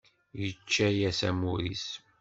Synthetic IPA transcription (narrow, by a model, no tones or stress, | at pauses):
jət͡ʃːæjæsæmuɾis